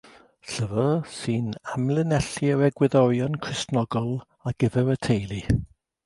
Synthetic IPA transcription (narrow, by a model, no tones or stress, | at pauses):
ɬəvəsɨnamlˠɪnɛɬiəɾɛɡwɪðɔɾjɔnkʰr̥ɪstnɔɡɔlˠ | aɡ̥əvɛɾətʰejlˠi